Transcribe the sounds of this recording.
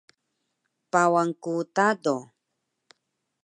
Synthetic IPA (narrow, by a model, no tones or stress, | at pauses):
pawaŋkut̪ado